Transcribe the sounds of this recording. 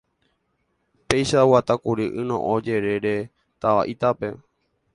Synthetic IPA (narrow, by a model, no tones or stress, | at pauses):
pe̞jʃawat̪akuɾiʔɨnõ̰ʔõd͡ʒe̞ɾe̞ɾe̞ | t̪aʋa̰ʔit̪ape̞